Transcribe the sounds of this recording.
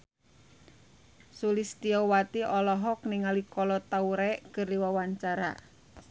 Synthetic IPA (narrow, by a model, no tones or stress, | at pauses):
sulist̪iɔwat̪iʔɔlɔɦɔkniŋalikɔlɔt̪auɾɛkəriwawaɲt͡ʃaɾa̰